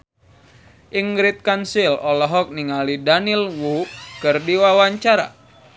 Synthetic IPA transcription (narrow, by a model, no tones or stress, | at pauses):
ʔiŋɡɾɪt̪̚kansilɔlɔɦɔk̚niŋalidanilwukɨrdiwawaɲt͡ʃaɾa̰